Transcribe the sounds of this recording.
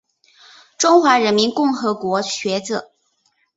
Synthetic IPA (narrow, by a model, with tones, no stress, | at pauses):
ʈ͡ʂʊ˥ŋxwa˧˥ɻə˧˥nmi˧˥nkʊ˥˩ŋxɤ˧˥kwɔ˧˥ɕɥɛ˧˥t͡sɤ˧˩˦